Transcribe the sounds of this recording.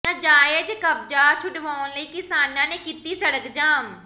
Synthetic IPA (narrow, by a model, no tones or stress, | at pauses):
nãd͡ʒaːjed͡ʒkəb̚d͡ʒaːt͡ʃʰʊɖʋaːonləiːkɪsaːnãːneːkiːt̪iːsəɽəkd͡ʒaːm